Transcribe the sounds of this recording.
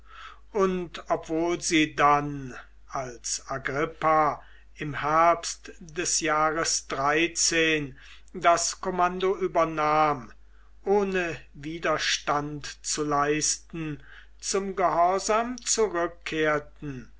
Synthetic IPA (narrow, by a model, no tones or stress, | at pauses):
ʔʊntɔpv̥oːlziːdan | ʔalsaɡʁɪpa | ɪmhɛɐpstdɛsjaːʁəsd̥ʁaɪt͡seːn | daskomandoʔyːbɐnaːm | ʔoːnəviːdɐʃtantt͡sulaɪstn̩ | t͡sʊmɡəhɔɐzamt͡suʁʏkʰːeːɐtn̩